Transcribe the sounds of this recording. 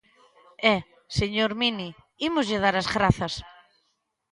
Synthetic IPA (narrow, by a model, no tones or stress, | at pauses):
ɛ | seɲoɾmini | imʊzʎɪð̞aɾɐzɣɾaθɐs